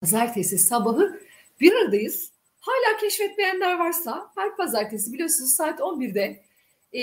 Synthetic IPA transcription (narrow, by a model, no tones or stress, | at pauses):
azaɾt̪ʰesisabaɦɯ | b̥iɾɯɾd̪ajɯz̥ | haːlʲaːcʰɛʃfɛt̪me̞jænlʲæɾvaɾsahæɾpazaɾt̪ʰesibilʲijoɾsunuzsaːt̪ʰo̞nbiɾd̪ɛ